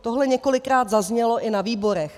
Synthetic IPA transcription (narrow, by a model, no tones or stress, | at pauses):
t̪oɦlɛɲɛko̞lɪkɾaːd̪zazɲɛlo̞ʔɪnaviːbo̞ɾɛx